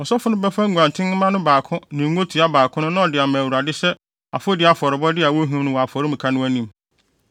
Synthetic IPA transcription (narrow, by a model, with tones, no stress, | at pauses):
ɔ˨sɔ˦fʊ˦nʊ̃˦bɛ˦fã˦ŋ˦ɡʷã˨n˨tʰɪ̃˦n˦mã˦nʊ̃˦baː˨kʰʊ̃˦nɪ̃˨˦o˦tʰi˨a˦baː˨kʰʊ̃˦nʊ̃˦nã˦ɔ˨dɪ˨a˨mæ̃˨wu˨ɾa˨dɪ˦sɛ˦ | a̰˨fo˦dɪ˨˦a˨fɔ˨ɾɪ˨bɔ˦dɪ˦a˨wo˦ɦũ˦nʊ̃˦wɔ˨a˨fɔ˨ɾɪ˦m̩̃˨kʰa˦nʊ̃˦æ˦nĩ˦m